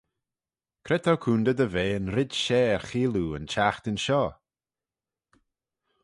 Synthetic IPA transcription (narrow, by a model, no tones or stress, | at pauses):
kʰɾɛt̪ʰokʰuːnd̪əd̪əveːənɾɪd̪ʃɛːɹxiːluə̰nt͡ʃaxt̪ɪnʃɔː